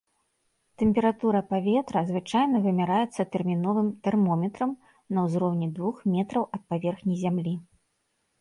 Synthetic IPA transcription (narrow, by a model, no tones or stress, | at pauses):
t̪ɛmʲpʲɛɾat̪uɾɐpavʲɛt̪ɾɐzvɨt͡ʂajnɐvɨmʲaɾajɛt̪sːɐt̪ɛrmʲin̪ɔvɨmt̪ɛrmɔmʲɛt̪ɾɐm | nɐwzɾɔwnʲid̪vuxmʲɛt̪ɾɐwɐt̪̚pavʲɛrxnʲijzʲamlʲi